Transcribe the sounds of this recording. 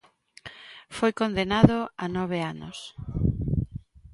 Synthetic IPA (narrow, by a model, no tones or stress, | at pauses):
fojkond̪enaðoanɔβ̞eanʊ̰s